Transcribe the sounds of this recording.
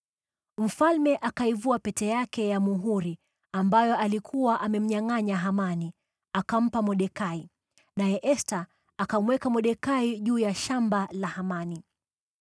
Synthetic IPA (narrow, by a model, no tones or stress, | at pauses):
m̩falmɛʔakaivuapɛtɛjakɛjamuɦuɾi | ambajɔalikʰuwaʔamɛm̩ɲaŋaɲaɦamani | akam̩pamɔɗɛkai | najɛʔɛstaː | kamwɛkamɔɗɛkaiʄuːjaʃambalahamani